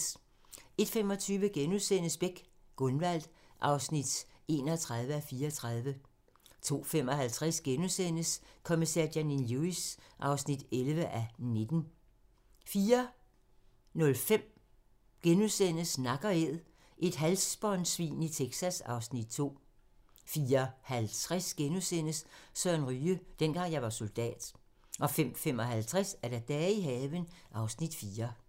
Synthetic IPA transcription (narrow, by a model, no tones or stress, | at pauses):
e̝d̥fem̰ɒ̽t͡sʰyːʋəɡ̥enusen̰əsb̥eɡ̥ɡ̥ɔ̽nʋæl̰d̥ʔɑ̈ʊsnid̥e̝̰ːnɒt͡sʰʁɑ̈ð̞ˠʋəæfiːɐt͡sʰʁɑð̞ˠʋə | t͡sʰo̝̰ːfem̰ɒ̽hælt͡sʰʁasɡ̥enusen̰əskʰomisæɐ̰dæninluisʔɑ̈ʊsnid̥elʋəʔæne̝d̥n̩ | fiːɐ | nɔ̽lfem̰ | ɡ̥enusen̰əsnɑ̈ɡ̥ɐeð̰ˠ | ʔe̝d̥ɦælsb̥ɒnsʋḭːnit͡sʰeɡ̥sæsɑ̈ʊsnid̥̚t͡sʰo̝̰ː | fiːɐhælt͡sʰʁɛsɡ̥enusen̰əssœɐnʁyːəd̥enɡ̥ɑ̈ŋ̰jɑ̈ɪʋɑ̈so̝ld̥ɛ̰ːd̥ | ʔɒ̽fem̰fem̰ɒ̽ɦælt͡sʰʁɛsæɐɾ̥æd̥ɛːiɦɛːʋənʔɑ̈ʊsnid̥fiːɐ